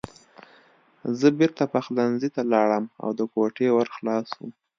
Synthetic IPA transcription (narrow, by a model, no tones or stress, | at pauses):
zəbɪɾt̪apaxlanzit̪alɑɽəma̰wd̪əkoʈewaɾxlɑsṵm